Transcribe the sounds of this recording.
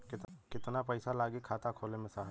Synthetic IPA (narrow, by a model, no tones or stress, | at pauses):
kɪt̪kɪt̪napəɪsalaːɡikʰaːt̪akʰoːlemẽsaːɦ